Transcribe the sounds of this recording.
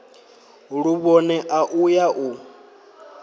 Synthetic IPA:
ɺuβɔnɛʔaʔujaʔu

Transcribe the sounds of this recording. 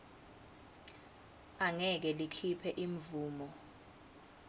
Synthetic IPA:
aŋɛk̬ɛlikʰipʰɛʔiɱvuːmɔ

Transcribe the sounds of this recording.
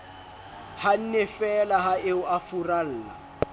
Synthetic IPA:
han̩nɛfɛlaɦaeʊʔafural̩ːla̰

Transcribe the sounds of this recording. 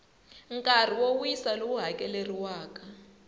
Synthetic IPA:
ŋkʼar̤iwowujisalowuɦakʼɛleriwaːka

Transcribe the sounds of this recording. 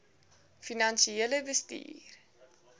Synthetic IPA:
finɐnsieələvəstḭːr

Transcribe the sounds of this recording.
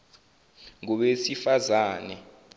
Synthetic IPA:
ŋuɓesifazaːnɛ

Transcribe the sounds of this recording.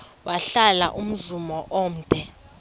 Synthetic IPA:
waɬalaʔum̩zumɔʔoːm̩ːtʼɛ

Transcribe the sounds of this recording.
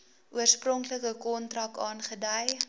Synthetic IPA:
ʔuərsprɔŋkləkəkɔntrɐkɑːnχədəj

